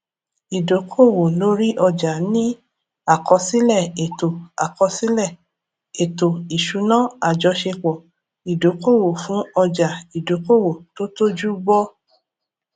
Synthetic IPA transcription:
i˨do˨˦kʰo˦˨wo˨lo˦ɾi˦ʔɔ˧d͡ʒa˨nĩ˦ | a˨kɔ˨˧si˦lɛ˦˨e˨to˨a̰˨kɔ˧si˦lɛ˦˨ | e˨to˨i˨ʃu˨˦nã˦a˨d͡ʒɔ˧˦ʃe˧k͡pɔ˨ | i˨do˨˦ko˦˨wo˨fũ˨˦ɔ˧d͡ʒa˨i˨do˨˦ko˦˨wo˨to˦to˦d͡ʒu˦ɡ͡bɔ˦

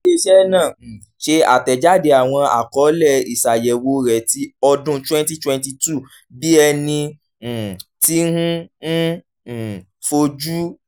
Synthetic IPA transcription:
e˧ʃɛ˦nãː˦˨ | ʃe˧˦a̰˨tɛ˨d͡ʒa˦˨de˧a˨w̃ɔ̃˧a̰˨kɔ˨˦lɛ˦˨i˨sa˨jɛ˨wo˨˦ɾɛ˨ti˨˦ɔ˧dũ˧˦twɛ̃˦n˦ti˦twɛ̃˧n˦ti˧tu˦˨ | bi˦ɛ˧nĩ˧˨ | ti˦hũ˦n̩˦˨ | fo˧d͡ʒu˦

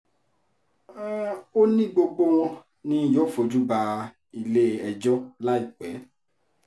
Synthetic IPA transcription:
o˦nĩ˦ɡ͡bo˧ɡ͡bo˦w̃ɔ̃˧ | nĩ˦˨jɔ˦fo˨d͡ʒu˦ba˧ | i˧le˦ɛ˧d͡ʒɔ˦la˦i˦˨k͡pɛ˨˦

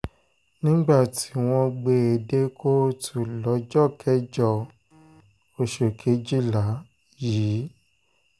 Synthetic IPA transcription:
nĩ˦ɡ͡ba˦˨ti˨˦w̃ɔ̃˧ɡ͡be˧e˨de˦kʰo˦tʰu˨lɔ˨˦d͡ʒɔ˦˨kʰɛ˦d͡ʒɔ˦˨ | o˧ʃo˨kʰe˨˦d͡ʒi˦la˨˦ | jiː˨˦

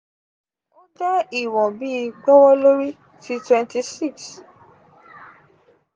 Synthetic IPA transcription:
o˦dɛ˦i˦˨wɔ̃˨bi˦˧ɡ͡bɔ˦wɔ˦lo˦ɾi˦ | ti˧˦twɛ̃˧nti˧si˦˨ks

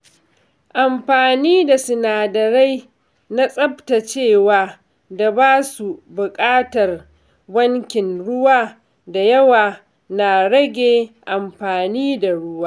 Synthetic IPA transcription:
ʔa˨mɸaː˨niː˦da˨sɪ˨naː˨dɐ˨ɾa˦j | na˦sʼɐ˦bta˨t͡ʃeː˦˨waː˨ | da˨baː˦su˨bʊ˨kʼaː˦tɐ˨r | bɐ˦ŋkʲɪ˨nɽʊ˦waː˦ | da˨jɐ˦waː˨ | na˨ɽɐ˦ɡʲeː˨ʔa˨mɸaː˨niː˦da˨ɽʊ˦waː˦

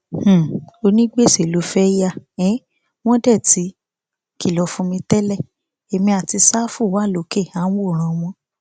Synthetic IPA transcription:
o˧nĩ˦ɡ͡be˦˨se˨lo˨˦fɛ˦ja˦˨ɛ̃˨˦ | w̃ɔ̃˦dɛ˦˨ti˨˦ | ki˦˨lɔ˧˦fũ˧mĩ˧tɛ˦lɛ˦˨ | e˨mĩ˧a˨ti˧saː˦fũ˦˨wa˨˦˨lo˨˦ke˦˨a˨˦wo˦˨ɾ̃ã˧w̃ɔ̃˧

